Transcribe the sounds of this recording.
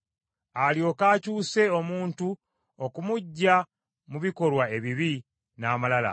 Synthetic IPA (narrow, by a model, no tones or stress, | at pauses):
aljo̞kaːcuːse̞o̞muːntu | okumuɟːa | muβiko̞lwae̞βiβi | naːmalala̰